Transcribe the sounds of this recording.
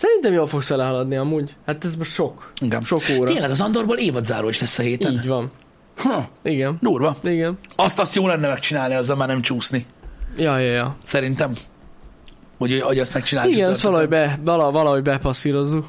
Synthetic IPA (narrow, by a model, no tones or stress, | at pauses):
sɛɾint̪ɛmjoːlfo̞ksʋɛlɛɦɒlɒd̪niɒmuːɟhat̪ɛzmoʃo̞kiɡɛ̰ʃo̞koːɾeːnlɛɡɒzɒnd̪orɾboːleːvɒd̪zaːɾoːiʃɛsːɛɦeːt̪ɛniːɟvɒn | huiɡɛnd̪uːrvɒiɡɛnɒst̪ɒst̪joːlɛnːɛmɛk̚t͡ʃinaːlniɒzːɒlmaːrnɛmt͡ʃuːsnijɒjɒjɒsɛɾint̪ɛm | hoɟoɟɛst̪mɛk̚t͡ʃinaːliɡɛnɛsst̪ʋɒlɒɦoɟbɛɒlɒvɒlɒɦo̞ɟbɛpɒsːiɾo̞zːuk